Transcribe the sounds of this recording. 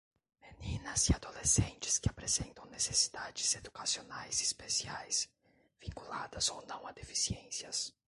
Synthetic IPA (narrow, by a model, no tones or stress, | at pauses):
menĩnɐziad̪olesẽnt͡ʃɪ̥skɪapɾezẽnt̪ɐ̃w̃nesesi̥d̪ad͡ʒɪz̥ed̪ukasionajzispesiajs | vĩŋkulad̪ɐzonɐ̃w̃ad̪efi̥siẽsiɐs